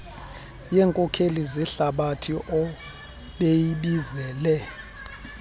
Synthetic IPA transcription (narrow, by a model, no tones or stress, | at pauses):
jɛːŋkʼɔkʰeliziɬaɓatʰiʔɔ | ɓejiɓizɛːlɛ